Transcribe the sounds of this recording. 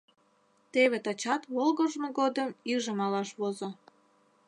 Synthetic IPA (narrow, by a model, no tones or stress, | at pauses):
t̪eβet̪ɑt͡ɕɑt̪βolɣəʒmoɣod̪əmiʒəmɑlɑʃβozo